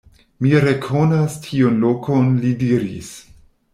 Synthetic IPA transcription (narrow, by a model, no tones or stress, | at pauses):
miɾe̞kʰo̞nastʰionlokʰonlidiɾḭs